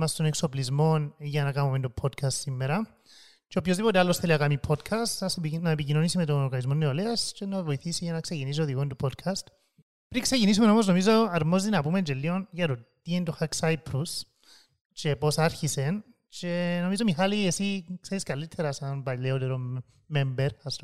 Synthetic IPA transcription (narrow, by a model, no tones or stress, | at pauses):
mɐst̪o̞ne̞kso̞plizmo̞nʝɐnɐkamument̪opʰo̞d̪kʰɐst̪simːeɾɐ | t͡ʃeopço̞zðipo̞t̪ealːo̞sθe̞liɐkamipʰo̞d̪kʰɐst̪ɐsnɐepicino̞nisime̞t̪̬o̞noɾɣanizmo̞nːeoleɐst͡ʃe̞navo̞jiθisiʝɐnɐksecinis̬io̞ðiɣont̪upʰo̞d̪̚kʰɐst̪ | pɾiksecinis̬ume̞no̞mozno̞mizoɐɾmo̞zinɐpumend͡ʒelːio̞nʝɐɾot̪ːient̪oxaksajpʰɾus | t͡ʃe̞po̞saɾçise̞n | t͡ʃe̞no̞mizo̞mixaliesikse̞ɾiskalːit̪ʰe̞ɾasɐnbaʎːeot̪eɾo | membeɾɐst̪